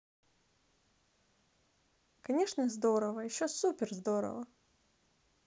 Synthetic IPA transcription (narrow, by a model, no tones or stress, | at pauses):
kɐnʲeʂnəzd̪oɾəvəjɪɕːosupʲɪrzd̪oɾə̰və